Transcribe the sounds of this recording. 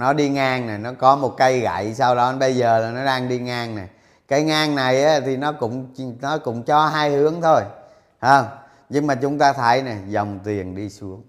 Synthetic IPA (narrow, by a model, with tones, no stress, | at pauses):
nɔ˨˦ɗi˧ŋaː˧ŋna˨˩jnɔ˨˦kɔ˨˦mo˨˩t̚ka˧jɣa̰˧˨jsaː˧wɗɔ˨˦ɓə˧jzəː˨˩laː˨˩nɔ˨˦ɗaː˧ŋɗi˧ŋaː˧ŋna˨˩j | kaː˨˦jŋaː˧ŋna˨˩jʔaː˨˦t̪ʰi˨˩nɔ˨˦kʊ̰˧˥ŋ͡mnɔ˨˦kʊ̰˧˥ŋ͡mt͡ɕɔ˧ɦaː˧jhɨ˨˦əŋt̪ʰo˧j | haː˧ŋ͡m | ɲɨ˧ŋmaː˨˩t͡ɕʊ˨˦ŋ͡mt̪aː˧t̪ʰə˨˦jna˨˩jzə˨˩wŋ͡mt̪wi˨˩ənɗi˧su˨˦˥əŋ